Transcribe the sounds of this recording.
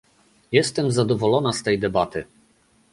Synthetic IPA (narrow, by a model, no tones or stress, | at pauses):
jɛst̪ɛmzad̪ɔvɔlɔnast̪ɛjd̪ɛbat̪ɘ